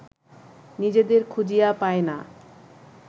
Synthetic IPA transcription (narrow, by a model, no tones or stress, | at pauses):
nid͡ʑed̪eɾkʰud͡ʑijapaena